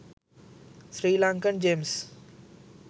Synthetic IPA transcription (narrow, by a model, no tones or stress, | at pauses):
sɾilaŋkənd͡ʒems